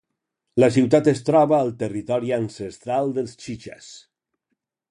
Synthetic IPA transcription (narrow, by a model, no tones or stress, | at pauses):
ləs̬iwt̪at̪əst̪ɾɔβaːlˠt̪ərit̪ɔɾiansəst̪ɾalˠd̪əlˠst͡ʃit͡ʃa̰s